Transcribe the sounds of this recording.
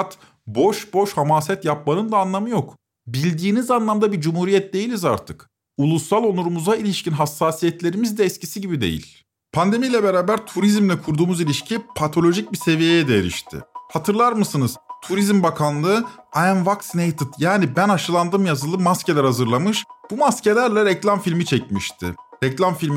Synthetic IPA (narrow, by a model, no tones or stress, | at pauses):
at̪ | bo̞ʃbo̞ʃhamaːsɛt̪jap̚manɯnd̪aːnlˠamɯjo̞k | bilʲd̪iːnizanlˠamd̪abid͡ʒumhuːɾijɛt̪̚d̪e̞jilʲiza̰ɾt̪ʰɯk | ulˠusːalˠo̞nˠuɾumuzailʲiʃcinɦasːaːsijɛt̪lʲe̞ɾimizd̪ɛɛscisiɟibid̪e̞̰jḭlʲ | pʰand̪e̞mijlʲɛbeɾaːbæɾt̪ʰuɾizmlʲɛkʰuɾd̪uːmuzilʲiʃcʰipʰat̪ʰo̞lʲo̞ʒic̚bise̞vijejɛd̪ɛeɾḭʃt̪ʰɪ̰hat̪ʰɯɾlˠaɾmɯsɯnɯz̥t̪ʰuɾizmbakʰanlˠɯ | aænvaksnejt̪ʰɯt̪jaːnibænaʃɯlˠand̪ɯmjazɯlˠɯmasce̞lʲæɾhazɯɾlˠamɯʃb̥umasce̞lʲæɾlʲɛɾɛclʲamfilʲmit͡ʃʰɛcmiʃt̪ʰɪ̰ɾɛclʲamfilʲm